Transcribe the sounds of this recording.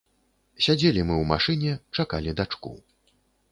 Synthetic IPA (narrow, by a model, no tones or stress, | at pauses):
sʲad͡zʲelʲimɨwma̰ʂɨnʲɛt͡ʂakalʲid̪at͡ʂkṵ